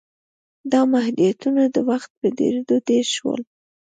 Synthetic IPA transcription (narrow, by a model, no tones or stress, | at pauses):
d̪ɑmahd̪ijat̪unad̪əwaxt̪̚pəd̪ḛɾed̪od̪eʃwə̰l